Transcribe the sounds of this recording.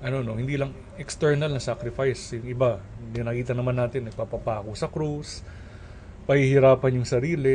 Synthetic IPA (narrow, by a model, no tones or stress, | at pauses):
ʔɐno̞no̞hɪnd̪iːlɐŋ | ʔɛkst̪ɛɹnɐlnɐsakɾɪfajsjʊŋɪbaɪnɐkiːt̪ɐnɐmanːaːt̪ɪnːɐɡ̚papapaːkosɐkɾus | pɐhihɪɾaːpɐnjʊŋsɐɾiːlɪ